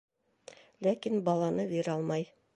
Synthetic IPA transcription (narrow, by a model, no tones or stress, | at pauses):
lækinbɑlˠɑnɤbiɾɑlˠmɑj